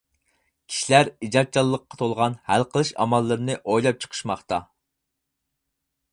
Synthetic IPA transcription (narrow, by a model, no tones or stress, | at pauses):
kʲʰi̥ʃilæɾid͡ʒɑt̪̚t͡ʃʰɑlˠːəqːɑ̥t̪ʰolˠʁɑnhælqʰəlˠɨʃɑ̰mɑlˠːɨɾnɨʔojlˠɑp̚t͡ʃʰə̥qʰə̥ʃmɑχt̪ɑ